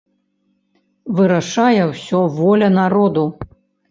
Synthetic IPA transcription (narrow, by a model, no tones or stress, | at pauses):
vɨɾaʂajɛwsʲɔvɔlʲɐnaɾɔd̪u